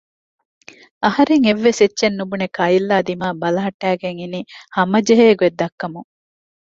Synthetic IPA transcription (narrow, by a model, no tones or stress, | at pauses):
ɐhɐɾeŋeʋːesetːʃenːubunekɐjilːaːd̪imaːbɐlɐɦɐʈːæːɡeŋinihɐmɐd͡ʒeɦeːɡued̪ːɐkːɐmuŋ